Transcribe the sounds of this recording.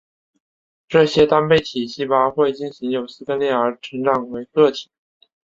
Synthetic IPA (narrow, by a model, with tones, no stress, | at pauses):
ʈ͡ʂɤ˥˩ɕjɛ˥t̪a˥npe˥˩ɪt̪ʰi˨˩ɕi˥˩pa˥xwe˥˧ɪt͡ɕi˥˩nɕi˧˥ŋjo˨˩ʊsɹ̩˥k̪ə˥nljɛ˥˩ə˞˧˥ʈ͡ʂʰə˧˥ŋʈ͡ʂɑ˨˩ŋwe˧˥ɪkɤ˥˩t̪ʰi̥˨˩˦